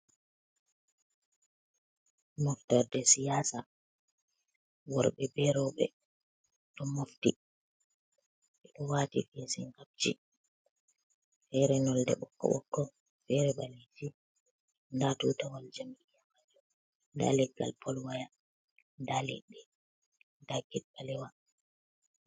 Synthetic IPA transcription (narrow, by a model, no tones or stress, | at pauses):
mɔftɔɾdɛsijasa | wɔɾɓɛbɛɾɔɓɛ̰ | ɗɔmofti | ɓɛɗɔwaːtḭfesiŋɡab̚t͡ʃḭ | fɛɾɛnɔldɛɓɔkːɔ̰ɓɔ̰kːɔ | fɛɾɛɓalid͡ʒi | ndatutawald͡ʒamijamad͡ʒɔ | da̰lɛɡa̰lpʰɔlwaja | ndalɛ̰ɗɛ | daɡɛt̚ɓalɛwa